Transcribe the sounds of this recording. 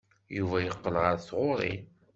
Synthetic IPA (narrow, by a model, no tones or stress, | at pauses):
juvæjəqːəlʁəɾθʁʊɾˤḭ